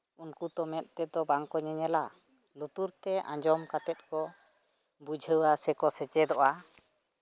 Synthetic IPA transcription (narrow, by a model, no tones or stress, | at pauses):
unkut̪ɔmɛt̪̚ˀt̪ɛd̪ɔbaŋkɔɲɛɲɛla | lut̪uɾt̪ɛʔã̰ɲd͡ʒɔmkat̪ɛt̪̚kɔ | bud͡ʒʱəwasɛkɔsɛt͡ʃɛd̪ɔʔa